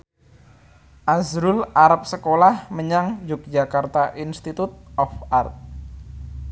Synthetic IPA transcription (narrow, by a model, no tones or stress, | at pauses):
ʔazɾʊlaɾap̚səkolahməɲaŋd͡ʒʊk̚d͡ʒakart̪aʔinst̪it̪ut̪̚ɔfart̪̚